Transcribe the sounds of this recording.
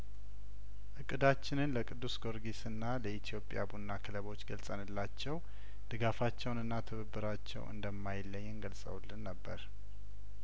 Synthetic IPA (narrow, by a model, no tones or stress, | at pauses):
ʔɨkʼːɨd̪at͡ʃːɪnɨnləkʼɨd̪ːusɡo̞ɾɡisɨnːaləit̪ʰijo̞pʼja̰bunːakʰɨləβo̞t͡ʃːɡəlsʼənɨlːat͡ʃːɛw | d̪̥ɨɡafat͡ʃːɛwnɨnːat̪ʰɨβəbːɨɾat͡ʃːɛ̰wʔɨ̰nd̪əmːajɪlːəɲːɨnɡəlsʼə̰wlːɨnːəbːəɾ